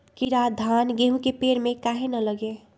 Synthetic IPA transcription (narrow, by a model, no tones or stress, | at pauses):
kiɾad̪ʱanɡeɦũkepeɾmekaɦenələɡe